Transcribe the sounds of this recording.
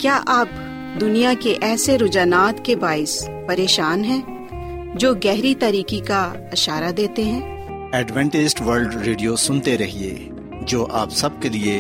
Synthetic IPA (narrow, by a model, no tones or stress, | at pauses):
kjaːʔaːp | d̪ʊnijakeʔɛːseɾʊd͡ʒaːnaːt̪kebaːɪs | pɐɾeːʃaːnɦɛ̃ː | d͡ʒoːɡɛɦɾit̪aɾiːkika | ɪʃaːɾad̪eːt̪eɦɛ̃ː | ɛːɖʋɛ̃ɳʈɪsʈʋɐɾlɖɾeːɖijosʊnt̪eɾɐɦiḛː | d͡ʒoːʔaːpsɐb̚kelie